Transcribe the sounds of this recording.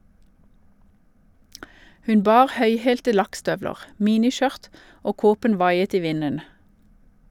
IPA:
ˈhʉn ˈbɑːʁ ˈhœʏheːltə ˈlɑkˌstœʋləʁ ˈmiːnɪˌʃœʁt ˈoː ˈkoːpən ˈʋɑɪət ˈiː ˈʋɪnən

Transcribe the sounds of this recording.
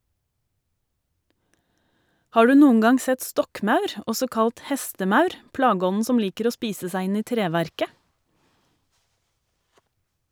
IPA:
ˈhɑː ˈɖʉː ˈnuːəŋ ˈɡɑŋ ˈsɛt ˈstɔkˌmɑʉɾ ˈɔsɔ ˈkɑlt ˈhɛstəˌmɑʉɾ ˈplɑːˌɡɔnn̩ ˈsɔm ˈliːkəɾ ˈoː ˈspiːsə ˈsæɪ ˈɪn ˈiː ˈtɾeːˌʋæɾkə

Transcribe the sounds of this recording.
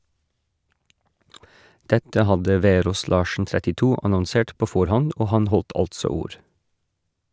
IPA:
ˈdɛtə ˈhɑdə ˈʋeːɾoːs ˈlɑːʃn̩ tɾɛtɪˈtuː ɑnɔnˈseːʈ ˈpoː ˈfɔɾhɔnd ˈoː ˈhɑn ˈhɔlt ˈɑltsɔ ˈuːɾ

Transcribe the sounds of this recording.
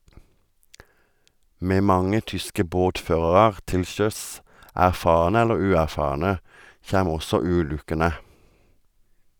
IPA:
ˈmeː ˈmɑŋə ˈtʏskə ˈboːtˌføːʁɑʁɑʁ ˈtɪl ˈʃœs ˌʔæʁˈfɑːʁnə ˈɛləʁ ˈʉːˌæʁˌfɑːʁnə ˈçæm ˈɔsɔ ˈʉːˌlʉkənə

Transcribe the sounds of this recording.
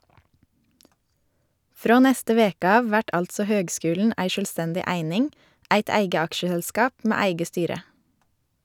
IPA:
ˈfɾoː ˈnɛstə ˈʋeːkə ˈɑːʋ ˈʋæʈ ˈɑltsɔ ˈhøːɡˌskʉːln̩ ˈæɪ ˌʃœlˈstɛndɪ ˈæɪnɪŋ ˈæɪt ˈæɪɡə ˈɑkʃəhɛlˌskɑːp ˈmeː ˈæɪɡə ˈstyːɾə

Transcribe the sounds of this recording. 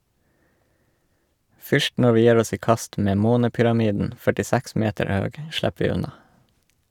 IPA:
ˈfʏʃt ˈnɔ ˈʋiː ˈjæːɾ ˈɔs ˈiː ˈkɑst ˈmeː ˈmoːnəpʏɾɑˌmiːdn̩ fœʈɪˈsæks ˈmeːtəɾ ˈhøːɡ ˈʃlɛp ˈʋiː ˈʉnɑ

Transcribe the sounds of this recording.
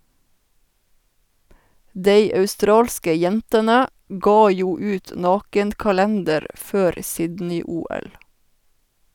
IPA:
ˈdeɪ ɑʉˈstɾɑːlskə ˈjɛntənə ˈɡɑː ˈjuː ˈʉːt ˈnɑːkən kɑˈlɛndəɾ ˈføːɾ ˈsɪdnɪ ˈuːˌɛl

